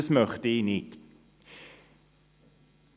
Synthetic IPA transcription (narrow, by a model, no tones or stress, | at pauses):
smœχt̪əinit̪